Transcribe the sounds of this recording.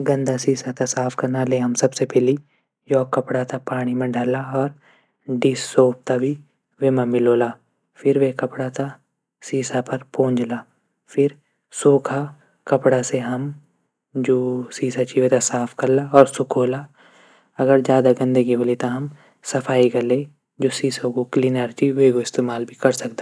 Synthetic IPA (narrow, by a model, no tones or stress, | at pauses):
ɡɐ̃nd̪asiːsat̪asaːpʰkɐɾnaleɦɐmsɐbsepɛːli | jɔːkːɐpɽat̪apaːɽ̃imẽɖʱalaɔːɾ | ɖiːsːoːp̚t̪abʱi | ʋemãmɪloːlaː | fʰɪɾʋekɐpɽat̪a | siːsapɐɾpõːɲd͡ʒlaː | fʰɪɾ | soːkʰa | kɐpɽaseɦɐm | d͡ʒoːsiːsat͡ʃiʋet̪asaːpʰkɐɾlaɔːɾsʊkʰoːla | ɐɡəɾd͡ʒjaːd̪aɡə̃nd̪əɡiɦolit̪aɦɐm | sɐpʰaːikɐɾle | d͡ʒoːsiːsokoklinəɾt͡ʃiʋeːɡoɪst̪eːmaːlbʱikɐɾsɐkd̪a